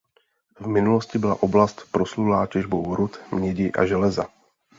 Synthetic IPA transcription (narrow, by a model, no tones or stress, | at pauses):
vmɪnuloscɪbɪla̰ʔo̞blast̪pɾoslulaːcɛʒbowɾut̪mɲɛɟɪʔa̰ʒɛlɛza̰